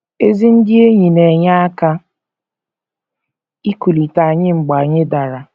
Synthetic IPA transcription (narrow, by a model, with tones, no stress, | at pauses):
e˦zi˦n̩˦dɪ˦e˦ɲi˨ne˨ɲa˦a˦ka˦ | i˦ku˨li˨ta˨ɲɪ˦ŋ͡m̩˨ɡ͡ba˨ɲɪ˦da˨ɾa˨